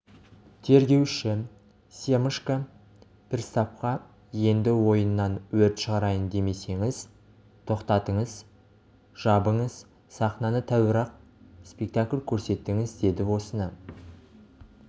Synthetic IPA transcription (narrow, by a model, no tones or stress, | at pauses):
t̪ʰe̞ɾɡʲe̞wʃɪ | se̞məʃka | pʰɪɾst̪ɑp̚qɑ | je̞nd̪ɪwo̞jənːɑnwɵɾt̪ʃəʁɑɾɑjənd̪e̞me̞se̞ŋɪz | t̪ʰo̞qt̪ɑt̪əɴəz | ʒ̥ɑbəɴəz | sɑχnɑnət̪ʰæwɪɾɑq̚spe̞k̚t̪akʲlʲkʲʰɵɾse̞t̪ːɪŋɪzd̪e̞d̪ɪwo̞sənə